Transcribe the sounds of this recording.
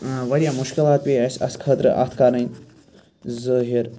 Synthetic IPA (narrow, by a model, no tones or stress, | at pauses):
ʋɐɾʲjaːmʊʃkilˠaːt̪̚pʲiɐsʲɐ̰skʰəːt̪ɾɨ̰ʔa̰t̪ʰkaɾɐ̃n | zəːɦiɾ